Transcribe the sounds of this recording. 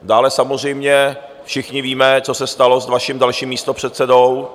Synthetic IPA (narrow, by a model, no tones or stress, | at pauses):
daːlɛsamozr̝ɛjmɲɛ | fʃɪxɲɪviːmɛt͡so̞sɛst̪alozdvaʃiːmdalʃiːmːiːst̪opr̝̥ɛt̪sɛdow